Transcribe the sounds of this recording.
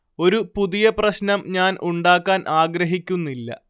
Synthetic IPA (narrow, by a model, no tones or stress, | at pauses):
o̞ɾupuðijɐprɐɕnɐmɲaːnʔuɳɖaːkːaːnʔaːɡɾɐɦikʲːunːilːɐ̰